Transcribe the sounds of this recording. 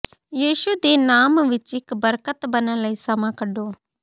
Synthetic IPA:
jiːʃʊd̪eːnaːmʋɪt͡ʃɪkbəɾkət̪bənələisɐmãːkəɖoː

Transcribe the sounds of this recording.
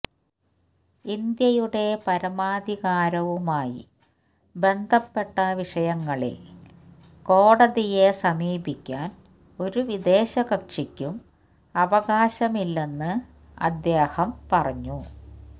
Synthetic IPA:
ind̪jɐjuɽe̞pɐɾɐmaːd̪ʱiɣaːɾɐʋumaːjḭ | be̞nd̪ʱɐpːe̞ʈːɐʋiʂɐjɐŋːɐɭḭl | ko̞ːɽɐðije̞sɐmiːbikʲːaːn | o̞ɾuʋid̪e̞ːɕɐɣɐkʂikʲːum | ɐʋɐɣaːɕɐmilːenːɨ | ɐ̰d̪jeːhɐmpɐrɐɲːu

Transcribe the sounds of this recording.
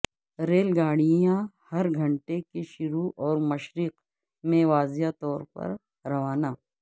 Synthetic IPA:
ɾeːlɡaːɽijãhɐɾɡʱɐ̃ɳʈekeʃʊɾuʔɔːɾmɐʃɾiːq | mẽʋaːzjat̪ɔːɾpɐ̰ɾ | ɾɐʋaːnaː

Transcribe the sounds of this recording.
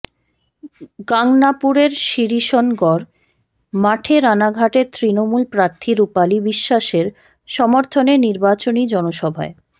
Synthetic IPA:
ɡaŋnapuɾeɾʃiɾiʃɔnɡɔɾ | maʈʰeɾanaɡʱaʈet̪ɾinomulpɾaɾt̪ʰiɾupalibiʃːaʃeɾ | ʃɔmoɾt̪ʰoneniɾbat͡ɕonid͡ʑɔnoʃɔbʱa̰e

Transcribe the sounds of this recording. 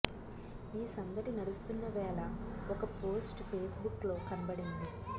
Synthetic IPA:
iːsɐŋɡ̪ɐʈinɐɾust̪unːɐʋɛːlɐɔkɐpo̞ːsʈpʰeːsbuklo̞ːkɐnɐbɐɽind̪i

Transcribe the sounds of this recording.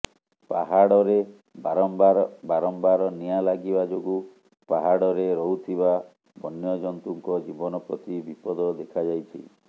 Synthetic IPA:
paɦaɽɔɾe | aɾɔmbaɾbaɾɔmbaɾɔnijalaɡibad͡ʒoɡu | paɦaɽɔɾeɾɔɦut̪ʰiba | bɔnjɔd͡ʒɔnt̪uŋkɔd͡ʒibɔnɔpɾɔt̪ibipɔd̪ɔd̪ekʰad͡ʒajt͡ʃʰḭ

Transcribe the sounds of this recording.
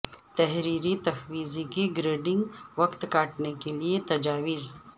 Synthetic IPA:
t̪ɛɦɾiːɾit̪ɐfwiːzikiɡɾeːɖɪ̃ŋɡʋɐkt̪kaːʈnekeliet̪ɐd͡ʒaːʋɪz

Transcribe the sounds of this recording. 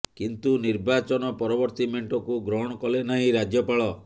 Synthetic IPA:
kint̪uniɾbat͡ʃɔnɔpɔɾɔbɔɾt̪imeɳʈɔkuɡɾɔɦɔɽ̃ɔkɔlenaɦĩɾad͡ʒjɔpaɭɔ

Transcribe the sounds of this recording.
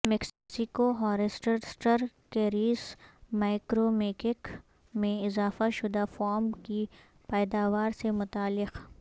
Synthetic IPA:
mɪkssɪkoɦɔːɾɪsʈəɾsʈəɾ | keːɾiːsmaːɪkɾomeːkɪk | mẽɪzaːfaʃʊd̪afɔːɾmki | pɛːd̪aːʋaːɾsemʊt̪aːlːɪq

